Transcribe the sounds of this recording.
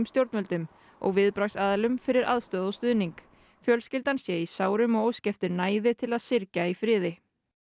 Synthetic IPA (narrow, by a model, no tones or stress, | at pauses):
mst̪jowɾt̪œlt̪ʏm | ɔ̰ɣvɪðpɾaxsaːðalʏmfɪɾɪɾa̰ðst̪œːðɔwst̪ʏðniŋk | fjœlscɪlt̪ansjɛisaːwɾʏmɔɣowscɛft̪ɪɾnaːjðɪt̪ʰɪlaðsɪɾcaifɾɪːðɪ